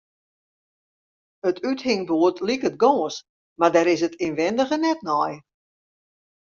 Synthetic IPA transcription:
ətʰythɪŋboətlikət̚ɡɔːs | mardɛɾɪsətɪnʋɛndəɣənɛt̚nɔj

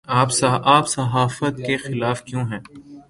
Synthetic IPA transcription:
aːpsʔaːpsɐɦaːfət̪kexɪlaːfkjõːɦɛ̃ː

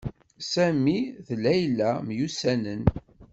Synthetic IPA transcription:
sæmiθlæjlæmjusænən

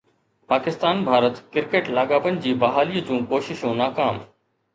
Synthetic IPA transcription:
paːkɪst̪aːnbʱaːɾət̪kɪɾkeːʈlaːɠaːʋənɪ̆d͡ʑiːbɐɦaːliːd͡ʑũːkoːʃɪʃõːnaːkaːm

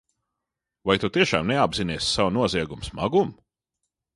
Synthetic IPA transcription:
vajt̪ut̪iɛʃa̰ːmnɛabziniɛsːawnuɔziɛɡumsmaɡum

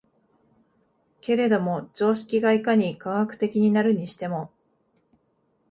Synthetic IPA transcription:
ke̞ɾe̞d̪o̞mo̞d͡ʑo̞ːɕi̥kʲiɡaikaɲ̟ikaɰhakɯ̟̥t̪e̞kʲiɲ̟inaɾɯ̟ɲ̟iɕi̥t̪e̞mo̞

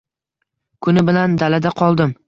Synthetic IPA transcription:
kʰʊnɪbɪland̪alad̪aqʰɒlˠd̪ɪm

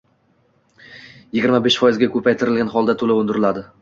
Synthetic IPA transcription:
jɪɡʲɪɾmabeʃfɒjɪzɡʲakʰɵpʰajt̪ʰɪɾɪlɡʲanχɒlˠd̪at̪ʰolaʊnd̪ɪɾɪlad̪ɪ

